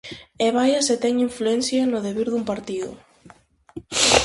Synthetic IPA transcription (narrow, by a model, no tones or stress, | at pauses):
eβajaset̪ɛŋiɱfluɛnθjanoðeβiɾðumpaɾt̪iðʊ̰